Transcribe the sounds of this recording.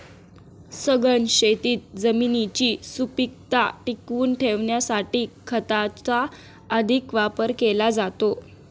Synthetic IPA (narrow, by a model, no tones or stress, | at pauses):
səɡənɕet̪iːt̪̚d͡zəminit͡ɕiːsupik̚t̪aʈikuːnʈʰeʋɳjasaʈiːkʰət̪at͡sa | əd̪ʱikʋapəɾkelad͡zat̪o